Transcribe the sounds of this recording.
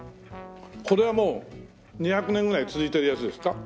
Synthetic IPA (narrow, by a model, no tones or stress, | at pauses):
ko̞ɾe̞βamo̞ː | ɲ̟içakɯ̟nẽ̞ŋɡɯɾait͡sɨzɨit̪e̞ɾɯ̟jat͡sɨd̪e̞sɨ̥ka